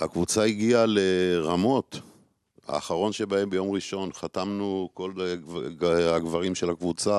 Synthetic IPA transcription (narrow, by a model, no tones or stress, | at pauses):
ha̰kvut͡saiɡiale̞ʁamo̞t | ha̰ːχaʁo̞nʃe̞bae̞mbejo̞mʁiʃo̞nχatamnuko̞l | haɡvaʁimʃe̞lhakvut͡sa